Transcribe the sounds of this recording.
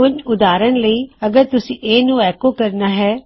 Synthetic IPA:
ʊɲʊd̪aːɾəɳ̃ləiːɐɡəɾt̪ʊsĩʔeːnũɛːkokɐɾnaɦɛː

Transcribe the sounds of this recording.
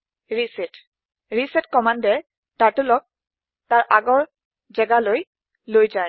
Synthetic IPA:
ɹisit | ɹisɛtkɔmandɛ | taɹtulɔk̚ | taɹʔaɡɔɹ | zɛɡaloj | lojzaj

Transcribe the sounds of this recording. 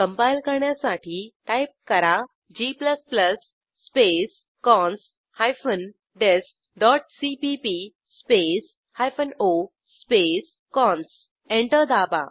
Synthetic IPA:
kəmpajlkəɾɳjasaʈʰiːʈajp̚kəɾa | d͡ʑipləspləsː | pes | kɔns | hajfən | ɖesk̚ | ɖɔʈ̚sipipi | spes | hajfəno | spes | kɔ̃ns | ẽɳʈəɾd̪aba̰

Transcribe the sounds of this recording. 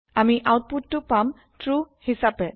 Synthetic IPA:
amiʔawt̚putːʊpam | tɹuhisapɛ

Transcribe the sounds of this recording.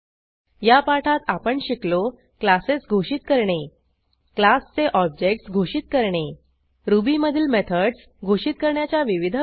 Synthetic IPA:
japaʈʰat̪apəɳɕiklo | klasesɡʱoɕit̪kəɾɳe | klast͡seʔɔb̚d͡ʑek̚ʈsɡʱoɕit̪̚kəɾɳe | ɾubiməd̪ʱiːlmet̪ʰəɖs | ɡʱoʂit̪̚kəɾɳjat͡ɕjaʋiʋid̪ʱ

